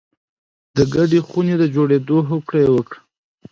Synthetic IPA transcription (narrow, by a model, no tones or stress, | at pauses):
d̪̥əɡaɖexuned̪əd͡ʒoɽed̪oɦokɽejwəkɽ